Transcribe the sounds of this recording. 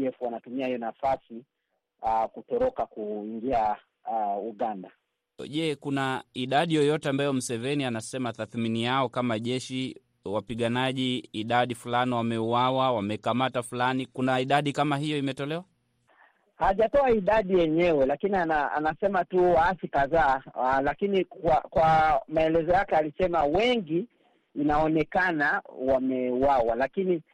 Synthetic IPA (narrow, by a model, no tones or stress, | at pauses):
ɛfuanatumiahijɔnafasi | akutɔɾɔkakuiŋɡia | uɠanda | ʄɛkunaiɗaɗijɔjɔtɛambajɔm̩sɛvɛnianasɛmataθminijaɔkamaʄɛʃi | wapiɠanaʄiːɗaɗifulaniwamɛuwawawamɛkamatafulanikunaiɗaɗikamaɦijɔimɛtɔlɛwa | haʄatɔaiɗaɗijɛɲɛwɛlakinianaa̰nasɛmatuwaasikaðaːlakinikwakwamaɛlɛzɔjakɛalisɛmawɛŋɡiː | naɔnɛkanawamɛuwawalakini